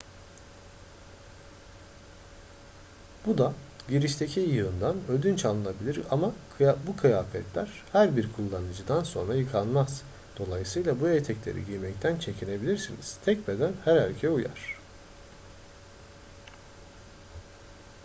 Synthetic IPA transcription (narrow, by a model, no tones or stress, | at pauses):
b̥ud̪aɟiɾiʃt̪ʰe̞cʰijɯɯnd̪anød̪ynt͡ʃʰanˠɯnabilʲiɾa̰ma | bukʰɯjaːfɛt̪lʲæɾ̥ | hæɾbiɾkʰulˠːanɯd͡ʒɯd̪anso̞̰nɾajɯkʰanmaz̥ | d̪̥o̞lˠajɯsɯjlˠabuet̪ʰɛclʲe̞̰ɾḭɟijmɛc̚t̪ʰænt͡ʃʰe̞cʰine̞bilʲiɾsiniz̥t̪ʰɛcbed̪ænhæɾhalʲcʰɛuja̰ɾ̝̥